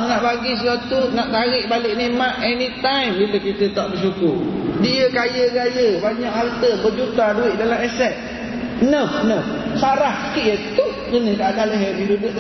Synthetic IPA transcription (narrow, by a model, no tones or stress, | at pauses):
naʔbaɡisəswat̪unaʔt̪aɾɪʔbalɪʔnemaʔɛnit̪ajmbiləkit̪ət̪aʔbəs̬ukʊrdiəkajəɡajəbaɲaʔalt̪əbərd͡ʒut̪aduɪʔ̚dalamɛsɛt̪̚ | nəfnəf | saɾahsə̥kiʔjət̪u | ɡənəhɡaʔdaləɦɛbiɾubəʔ̪